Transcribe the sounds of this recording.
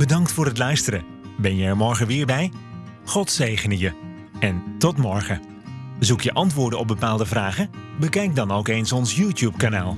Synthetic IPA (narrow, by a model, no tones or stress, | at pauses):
b̥ədɑŋktfʊːrɦətlœɥstəɾə | bɛnjəəmɔɹχəʋɪːɹbɛj | χɔtsejχənəjə | ɛntɔtmɔɹχə | zukjəʔɑntʋʊːɹdənɔb̚bəpaːlˠdəvraːχəbəkɛjk̚dɑnowkensɔnsjuːtjupkanaːlˠ